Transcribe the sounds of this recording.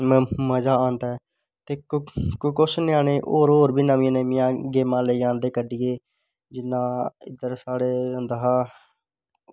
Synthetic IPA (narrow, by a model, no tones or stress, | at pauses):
mməd͡ʒaːãːnd̪aː | t̪eːkkkʊsnɪaːneːʔoːɾɦoːɾbʱiːnəmĩnemɪ̃jãːɡeːmãːləːãːnd̪eːkəɖiːeː | d͡ʒɪnːãːɪ̰d̪əɾsaːɽeːənd̪əɦaː